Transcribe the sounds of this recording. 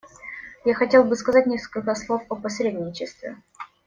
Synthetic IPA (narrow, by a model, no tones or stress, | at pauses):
jaxɐtʲe̞lˠbɨskɐzat̚ʲnʲeskəlʲkəslˠo̞fəpɐsɾʲedʲnʲɪt͡ɕɪst̪vʲɪ̰